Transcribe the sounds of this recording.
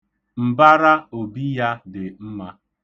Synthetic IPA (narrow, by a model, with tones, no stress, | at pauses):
m̩˨ba˦ɾa˦o˨bi˦ja˦dɪ˨m̩˦ma˦